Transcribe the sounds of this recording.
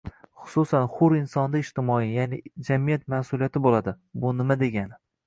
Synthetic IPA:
χʊ̥sʊsanχʊɾɪnsɒnd̪aɪʃt̪ɪmɒijanɪd͡ʒamijat̪̚masʊlijat̪ʰɪbolad̪ɪ | bʊnɪmad̪e̞ɡʲanɪ

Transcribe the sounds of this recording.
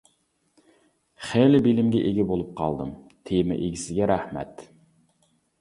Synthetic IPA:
χelɪbilɪmɡʲɛʔeɡʲɛbolˠup̚qʰɑ̰lˠd̪ɨmt̪ʰemɪ̰ʔeɡʲisɪɡʲɛɾæhmɛ̰t̪

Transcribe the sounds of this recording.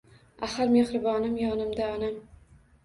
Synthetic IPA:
ahaɾmehɾɪbɒnɪmjɒnɪmd̪aɒnam

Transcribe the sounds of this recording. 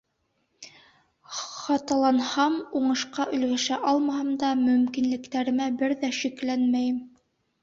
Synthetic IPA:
χɑt̪ɑlˠɑnhɑmuɴɤ̆ʃqɑʔɵ̆lɡæʃæʔɑlˠmɑhɤmd̪ɑmɵ̆mkinlɘ̆kt̪æɾɘ̆mæbɘɾðæʃiklænmæjɘm

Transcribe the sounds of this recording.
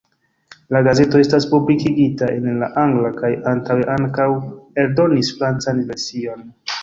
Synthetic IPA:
laɡaze̞to̞e̞staspublikiɡitae̞nlaʔaŋɡlakajantaweʔaŋkawe̞ɾdo̞nisfɾant͡sanve̞ɾsio̞n

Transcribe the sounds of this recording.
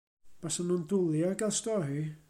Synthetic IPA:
b̥asanundʊlˠjaɡɛlstɔɦi

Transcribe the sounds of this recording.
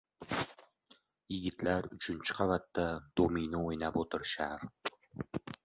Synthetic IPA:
jɪɡʲɪt̪ʰlaɾʊt͡ʃʰɪnt͡ʃʰɪ̥qʰɑvat̪ːad̪̥ominɪojnapot̪ʰɪɾʃaɾ

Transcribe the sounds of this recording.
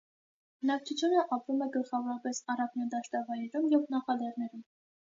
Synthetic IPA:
b̥ənɑk̚t͡sʰut͡sʰjunəʔɑpɾumɛɡəlχɑvɔɾɑpɛsɑrɑknjɑd̪ɑʃt̪ɑvɑjɾɛɾumjɛvnɑχɑd̪ɛɾnɛɾum

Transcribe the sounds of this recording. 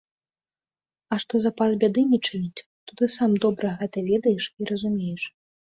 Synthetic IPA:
ɐʂt̪ɔzapasbʲad̪ɨnʲɛt͡ʂɨnʲut͡sʲ | t̪ɔt̪ɨsamd̪ɔbɾɐɣɛt̪ɐvʲɛd̪ɐjɛʂiɾɐzumʲejɛʂ

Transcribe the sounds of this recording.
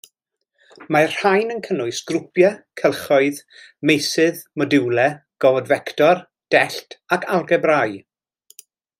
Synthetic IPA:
mar̥hajnənkʰənʊɨsɡ̥rʊpʰjakʰɛlˠχɔɨð | mejsɨðmɔdɪwlɛɡ̥ɔvɔdvɛktɔr | d̥ɛɬtʰakʰalˠɡɛbraj

